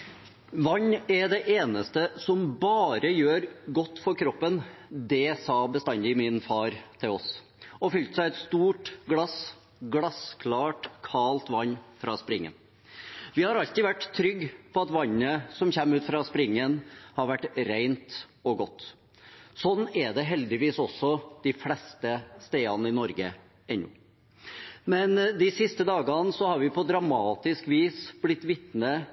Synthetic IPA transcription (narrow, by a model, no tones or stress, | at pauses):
ʋɑɲːɛɖ̪ɛʔeːnəst̪əsɔmbɑːɾəjøːɾɡɔt̪ːfɔɾkʰɾɔpːənd̪ɛsɑːbəst̪ɑnd̪ɪmɪnfɑːɾt̪ʰɪlɔs | ɔfʏlt̪sæɪɛt̪st̪uːʈɡlɑs | ɡlɑskʰlɑːʈkʰɑːlt̪ʋɑɲːfɾɑspɾɪŋːə̰n | ʋɪhɑɾɑlt̪ɪʋæʈːt̪ʰɾʏɡːpʰɔɑt̪ʋɑɲːəsɔmçɛmːʉːt̪fɾɑspɾɪŋːənhɑɾʋæʈːɾeɪnt̪ | ɔɡɔt̪ː | sɔnːɛd̪ɛɦɛld̪ɪʋiːsɔsːɔd̪̥ɪflɛst̪əst̪eːɑnəɪnɔɾɡə | ɛnːʊ̰ | mɛnd̪ɪsɪst̪əd̪ɑːɡɑnsɔhɑɾʋɪpʰɔd̪ɾɑmɑːt̪ɪskʋiːsb̥lɪt̪ːʋɪt̪nə